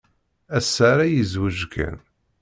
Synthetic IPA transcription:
æsːaɾajəzwəʒɡæ̰n

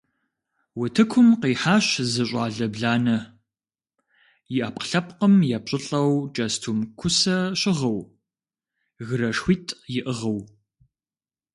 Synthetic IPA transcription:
wʊtʰɨkʷʰʊmqiːħaːɕzɨɕʷʼaːɮɐbɮaːnɐ | jɪʔaːpqə̥ɬɐp̚qəmjaːp̚ɕʼɪɬʼɐwt͡ʃʼɐstʰumkʷʰʊsɐɕʼɪʁɐw | ɣɨɾɐʂxʷiːtʼjɪʔəʁɐw

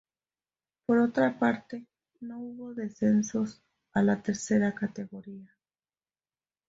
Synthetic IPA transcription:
po̞ɾo̞t̪ɾapaɾt̪e̞ | no̞uβo̞ðe̞se̞nso̞s | alat̪e̞ɾse̞ɾakat̪e̞ɣo̞ɾia

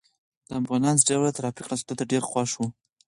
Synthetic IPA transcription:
d̪̥əabɣɑnɑnz̬ɖawat̪aɾɑfɪqɾast̪ot̪aɖeɾxwɑʂwu

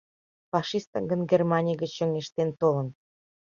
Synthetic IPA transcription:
fɑʃist̪ɑɡə̆nɡermɑnʲijɡət͡ɕːə̆ŋeʃt̪ent̪olə̆n

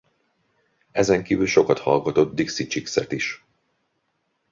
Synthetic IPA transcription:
ɛzɛŋkiːvylʃo̞kɒt̪hɒlɡɒt̪o̞d̪̚d̪iksit͡ʃiksɛ̰t̪iʃ

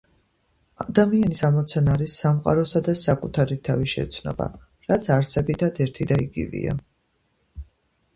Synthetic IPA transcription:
ad̪amianisamɔt̪sʰanaːɾisːamqʼa̰ɾɔsad̪asakʼut̪ʰaɾit̪ʰaviʃɛ̰t̪sʰnɔ̰ba̰ | ɾat̪sʰaɾsɛbit̪ʰad̪ɛɾt̪ʰid̪aḭɡḭvḭa̰

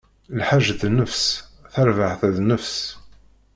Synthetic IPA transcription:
lħaʒːθnəfsθəɾvaʕθæðnəfs

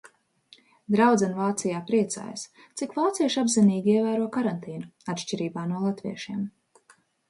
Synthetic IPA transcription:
d̪ɾawd̪zanvaːt̪sijaːpɾiɛt̪sa̰ːja̰s | t̪sikvaːt̪siɛʃabziniːɡʲiiɛvæːɾuɔkaɾant̪iːnuat̪ʃt͡ʃiɾiːbaːnuɔlˠat̪vḭɛʃiɛm

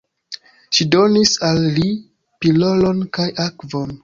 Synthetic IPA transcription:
ʃidonisalːi | pilo̞lo̞nkajʔakvon

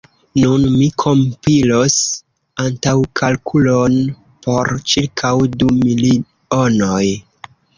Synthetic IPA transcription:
nunmikʰo̞mpilos | antawkʰalkʰulon | pʰo̞ɾt͡ʃilkʰawdumili | onoj

